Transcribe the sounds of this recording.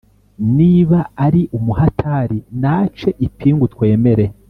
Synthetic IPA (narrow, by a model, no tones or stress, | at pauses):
niːβaːɾiʔumuhatʰaɾinat͡ʃe̞ʔipʰiːŋɡutwe̞ːme̞ɾe̞